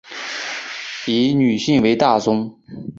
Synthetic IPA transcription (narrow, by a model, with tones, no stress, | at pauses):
i˧˥ny˨˩ɕi˥˩ŋwe˧˥ɪt̪a˥˩t͡sʊ˥ŋ